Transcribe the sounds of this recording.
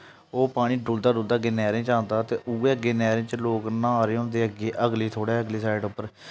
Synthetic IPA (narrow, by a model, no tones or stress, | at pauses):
oːpaːɽ̃ĩːɖʊːld̪aːɖʊːld̪aːəɡeːnɛːɾẽːt͡ʃãːnd̪aːt̪eːʔueːəɡeːnɛːɾẽːt͡ʃloːknãːaːɾeːɦʊ̃nd̪eːəɡeːʔəɡliːt̪ʰoːɽɛːəɡliːsaːɪɖʊpːəɾ